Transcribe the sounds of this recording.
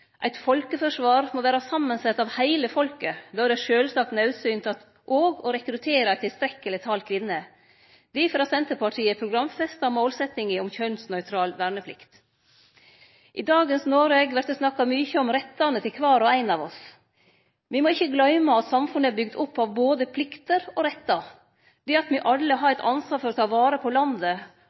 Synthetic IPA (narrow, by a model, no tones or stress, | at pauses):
ʔæɪt̪fɔlkəfɔʂʋɑːɾmoːʋæːɾɑsɑmːənsɛt̪ːɑʋhæɪləfɔlkəd̪oːæɾɖɛʂøːlsɑːk̚t̪nœʉsyːnt̪ʰɑt̪ | ʔoːɡɔɾɛkɾʉt̪ʰeːɾɑt̪ʰːɪlst̪ɾɛkːəlɪt̪ʰɑːlkʰʋɪnːə | d̪̥ɛfɾɑsɛnt̪əpɑʈʰiːəpʰɾʊɡɾɑmfɛst̪ɑmoːlsɛt̪ɪŋɪɔmçœnsnœʏt̪ʰɾɑːlʋæːɾɳəpʰlɪ̰kt̪ | ʔɪd̪ɑːɡənsnoːɾeɡʋæɾt̪ɔsnɑkːɑmyçəɔmɾɛt̪ːɑnət̪ʰɪlkʰʋɑːɾɔæɪnɑʋɔs | ʋɪmoːɪçːəɡlœʏmɑɑt̪sɑmfʉnəæbʏɡd̪ʊpːɑʋboːd̪əpʰlɪkt̪əɾɔɾɛt̪ːɑ | d̪̥ɛɑt̪mɪʔɑlːəɦɑɾæɪt̪ʰɑnsʋɑːɾfɔɾɔt̪ʰɑːʋɑːɾəpʰɔlɑnd̪ə